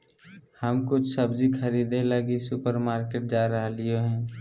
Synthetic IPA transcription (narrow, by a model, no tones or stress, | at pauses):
həmkʊt͡ʃʰsəbd͡ʒikʰɐɾiːd̪ẽləɡisʊpəɾmaːɾkeːʈ̚d͡ʒaːɾəɦlioɦɛ̃ː